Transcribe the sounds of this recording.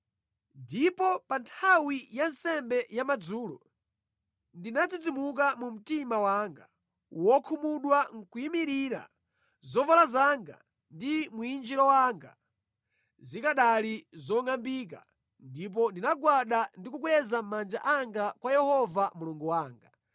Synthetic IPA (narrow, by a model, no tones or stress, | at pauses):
ndipɔpantʰawijansɛmbɛjamad͡zuːlɔ̰ | ndinat͡sid͡zimuk̬amum̩timawaːŋɡa | wɔkʰumuɗwaŋ̩kujimiɾiɾa̰ | zɔvalazaŋɡa̰ | ndimuind͡ʒiɾɔwaːŋɡa̰ | zikaɗalizɔŋambik̬a̰ | ndip̬ɔndinaɡwaɗandikukwɛzammand͡ʒaʔaŋɡakwajɛhɔvamuluŋɡuwaːŋɡa